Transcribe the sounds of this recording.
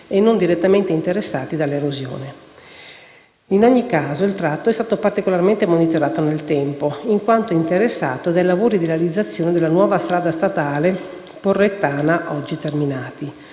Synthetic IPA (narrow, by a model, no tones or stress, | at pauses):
enːond̪iɾet̪ːament̪eint̪eɾesːa̰ːt̪id̪alːeɾozjo̰ːne | inoɲːikːaːzoilt̪ɾat̪ːoɛst̪aːt̪opart̪ikolarment̪emonit̪oɾaːt̪onelt̪ɛmpoiŋkwant̪oint̪eɾesːa̰ːt̪od̪ajlavoːɾid̪iɾealid̪zːat̪sːjoːned̪elːanwɔːvast̪ɾaːd̪ast̪at̪aːle | porːet̪ːaːnaʔɔd͡ʒːit̪erminaːt̪i